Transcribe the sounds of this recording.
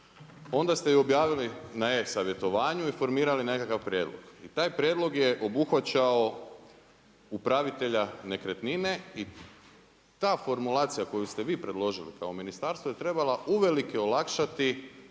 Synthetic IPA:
o̞nd̪ast̪eio̞bjaːʋilinaesaʋje̞t̪o̞ʋaːɲuifo̞ɾmiːɾaline̞kakaʋpɾʲje̞ːd̪lˠo̰ɡ̥it̪aːjpɾjeːd̪lˠo̞ɡjeʔo̞buxʋat͡ɕao | upɾaʋit̪e̞ʎane̞kɾe̞t̪nine̞i | t̪aːfo̞ɾmulaːt̪sijako̞just̪eʋiːpɾe̞d̪lˠo̞ʒilḭkaominist̪aːɾst̪ʋojet̪ɾe̞balaʔuʋe̞likeolakʃat̪i

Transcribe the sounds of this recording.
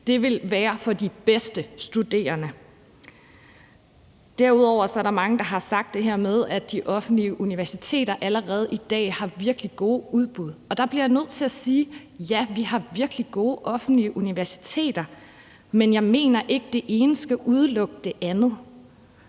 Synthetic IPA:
d̥e̝ʋe̝lʋæːɐfɒ̽d̥ib̥esd̥əsd̥ud̥e̝̰ːɐnə | d̥æɐ̰uð̞ˠɒʊ̰ɐsɒ̽æɐɾɑ̈mɑ̈ŋəd̥ɑ̈ɦɑ̈sɑ̈ɡ̥̚d̥e̝ɦæɐ̰með̞ˠæd̥iʔɒ̽fn̩d̥liəʔuniʋæɐsit͡sʰe̝̰ːɾɐʔæləʁɛːð̞̩ˠid̥ɛ̰ːhɑ̈ʋiɐɡ̥liɡ̥o̝ːuð̞ˠb̥uð̞ˠɒ̽d̥ɑ̈b̥liɐjänøð̞̰ˠt͡sʰe̝læsiː | jæʋihɑ̈ʋiɐɡ̥liɡ̥o̝ːʔɒ̽fn̩d̥liəʔuniʋæɐsi̥t͡sʰe̝̰ːd̥ɐ | menjɑ̈ɪme̝̰ːnɐʔe̝ɡ̥əd̥e̝ʔe̝ːnəsɡ̥æʔuð̞ˠlɔ̽ɡ̥̚əd̥e̝ʔænð̩ˠ

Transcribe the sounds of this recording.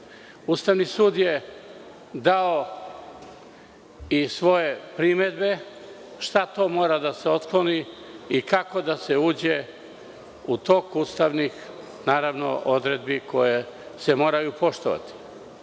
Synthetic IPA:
uːst̪aʋnisuːd̪je | d̪ao | isʋo̞je̞pɾime̞d̪be̞ | ʃt̪at̪o̞mo̞ːɾad̪ase̞o̞t̪klˠo̞niikako̞d̪ase̞uːd͡ʑe | ut̪o̞kuːst̪aʋnix | naːɾaʋno̞̰ʔod̪ɾe̞d̪̚biko̞jese̞mo̞ːɾajupo̞ʃt̪oʋa̰t̪i̥

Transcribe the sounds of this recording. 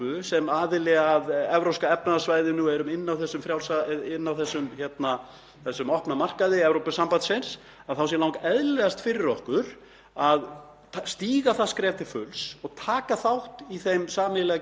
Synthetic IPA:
ʏsɛmaːðɪlɛɣaðɛvɾowskaɛpnasvaːjðɪnuɛɾʏmɪnːawθɛsːʏmfɾjawlsaɪnːawθɛsːʏmçɛt̪na | θɛsːʏmɔhpnamar̥kaðɪɛvɾowpɪsːampant̪sɪns | aðθaws̬jɛlawŋkaɛðlɛɣast̪fɪːɾɪɾɔhkʏɾ̥ | að | st̪iːɣaθaskɾɛːt̪ɪfʏlsɔɣt̪ʰaːkaθawht̪iθejmsaːnɪlɛɣa

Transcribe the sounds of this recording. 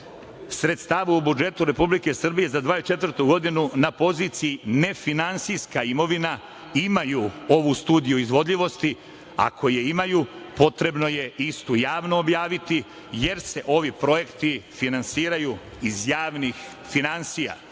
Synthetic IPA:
sɾe̞t̪st̪aːʋuːbud͡ʒe̞t̪uɾe̞publike̞sr̩bije̞zad̪ʋaːit͡ʃe̞t̪vɾt̪uɡo̞d̪inunapo̞zit̪sijine̞finansijskaimo̞ʋina | imajuo̞ʋust̪uːd̪ijuizʋo̞d̪ʎʲiʋo̞st̪i | a̰kʰo̞jeimajuːpo̞t̪ɾe̞bno̞je̞ʔist̪ujaːʋnoːbjaːʋit̪i | je̞ɾse̞ʔo̞ʋipɾo̞je̞kt̪ifinansiːɾajuː | izjaːʋnix | finansija̰

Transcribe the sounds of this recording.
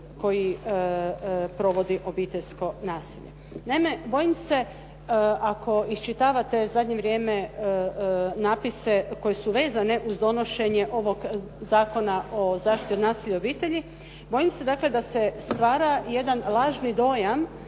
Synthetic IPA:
ko̞ji | pɾo̞ʋo̞d̪iʔo̞biːt̪e̞ʎʲsko̞naːsḭʎe | naime̞bo̞jimse̞ | ako̞ist͡ʃit̪aːʋat̪e̞zad̪ɲe̞ʋɾʲje̞ːme | naːpise̞ko̞je̞suʋe̞ːzane̞ʔuzd̪o̞no̞ʃe̞ɲeʔo̞ʋo̞ɡ | zaːko̞naʔozaːʃt̪it̪it̪unaːsiʎeobiːt̪e̞ʎi | bo̞jimse̞d̪aːkle̞d̪ase̞st̪ʋaːɾaje̞d̪anlˠaːʒnid̪o̞ːjam

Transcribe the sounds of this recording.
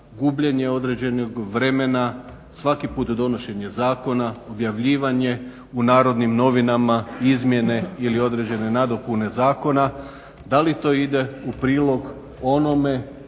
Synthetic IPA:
ɡubʎe̞ɲe̞o̞d̪ɾe̞d͡ʑe̞noɡʋɾe̞me̞na | sʋakipuːt̪d̪o̞no̞ʃe̞ɲe̞zaːko̞naobjaʋʎiːʋaɲe̞ | unaːɾo̞d̪nimno̞ʋinamaizmje̞ne̞ilio̞d̪ɾe̞d͡ʑe̞ne̞nad̪o̞pune̞zaːko̞na | d̪alit̪o̞id̪e̞upɾiːlˠo̞ɡ | o̞no̞me̞

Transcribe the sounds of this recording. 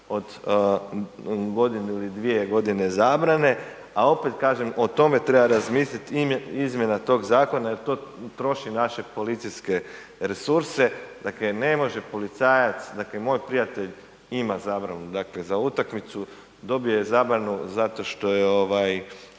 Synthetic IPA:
o̞d̪ | ɡo̞d̪ineilid̪ʋie̞ɡo̞d̪ine̞zaːbɾane̞ | ao̞pet̪kaːʒemo̞t̪o̞me̞t̪ɾe̞baɾazmiːslʲit̪izmje̞nat̪o̞ːɡzaːko̞najeɾt̪o̞ːt̪ɾo̞ʃinaʃe̞po̞lit̪sijske̞ | ɾe̞suɾse̞d̪̥akle̞ne̞mo̞ʒe̞po̞lit̪saːjat̪sd̪akle̞mo̞ːjpɾijat̪e̞ʎ | imazaːbɾanud̪akle̞zaut̪akmit̪su | d̪o̞bijo̞jezaːbɾanuzat̪o̞ʃt̪o̞jeo̞ʋaj

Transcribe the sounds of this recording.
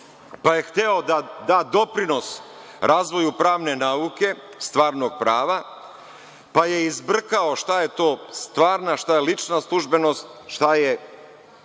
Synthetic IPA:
paje̞xt̪eo̞d̪ad̪aːd̪o̞pɾino̞s | ɾʔaːzʋo̞jupɾaːʋne̞naːuke̞ | st̪ʋaːɾno̞ɡ̚pɾaːʋa | paje̞izbr̩kao̞ʃt̪ajet̪o̞ːst̪ʋaːɾnaʃt̪ajelit͡ʃnaslˠuʒbe̞no̞st̪̚ʃt̪aje

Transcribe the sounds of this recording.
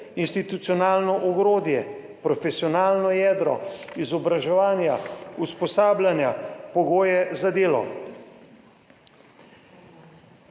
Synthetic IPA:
inst̪it̪ut̪sijɔnaːlnɔʔɔɡɾoːd̪jɛ | pɾɔfɛsiɔnaːlnɔjɛːd̪ɾɔ̰izɔbɾaʒɛʋaːnjauspɔsaːblʲjanjapɔɡoːjɛzad̪eːlɔ̰

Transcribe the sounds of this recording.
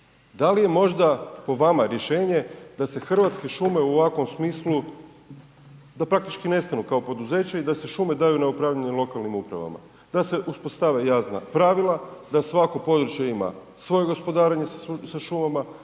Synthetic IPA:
d̪alije̞mo̞ʒd̪apo̞ʋamaɾje̞ʃe̞ːɲe̞d̪ase̞xr̩ʋat̪ske̞ʃume̞uoʋakʋo̞msmiːslu | d̪apɾak̚t̪it͡ʃkine̞st̪anukao̞po̞d̪uze̞ːt͡ɕaid̪ase̞ʃuːme̞d̪ajunaupɾaːʋʎaɲelˠo̞kalˠnimupɾa̰ʋa̰ma̰ | d̪̥ase̞ʔuspo̞st̪aʋejaːsna̰pɾaʋilˠad̪asʋako̞po̞d̪ɾut͡ʃjeima̰ | sʋo̞je̞ɡo̞spo̞d̪aːɾaɲe̞saʃumama

